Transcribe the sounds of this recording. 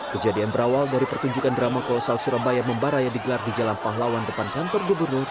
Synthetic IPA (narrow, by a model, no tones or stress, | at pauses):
kəd͡ʒadianbəɾawaldaɾipərt̪uɲd͡ʒukandɾamakɔlɔsalsuɾabajaməmbaɾajadiɡəlardid͡ʒalanpaɦlawandəpankant̪ɔrɡubərnʊr